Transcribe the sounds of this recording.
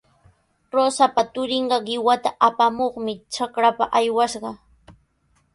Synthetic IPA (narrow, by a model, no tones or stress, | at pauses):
ɾosapat̪ʊɾɪɴɢɑɢɪwat̪aʔapamoχmɪt͡ʃakɾapaʔajwaʃɢɑ